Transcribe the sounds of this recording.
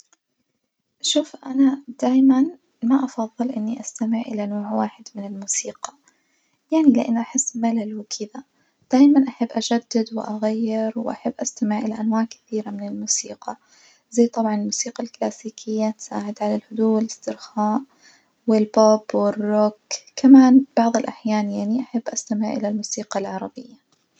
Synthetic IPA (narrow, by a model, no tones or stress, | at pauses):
ʃuːfʔanad̪̥aːjman | maʔɑfɑðˤːɨlʔɪnːiʔast̪amɪʕʔɪ̰lanoːʕwaːħɪd̪mɪnɪlmuːsiːqɑ̥ | jaʕnilɪʔa̰nːʔaħɪsːmalalwɪkʰɪd̪a | d̪̥aːjmanʔaħabːʔaʒad̪ːɪd̪wɪʔaɣajːɪɾwɪʔaħabːʔast̪amɪʕʔɪlaʔanwaːʕkɪ̥θiːɾamɪnɪlmuːsḭːqɑ | zajːt̪ˤɑbʕɑnɪlmuːsiːqalklaːsiːkʰɪjːat̪sa̰ːʕɪd̪ʕalalhʊd̪uːwɪlɪst̪ɪɾxaːʔ | wɪlbobwɪrːʊkkamaːnb̥ɑʕðˤɪlʔaħjaːnjaʕniʔaħabːʔast̪amɪʕʔɪ̰lalmuːsiːqɑlʕɑɾˤɑbɪjːa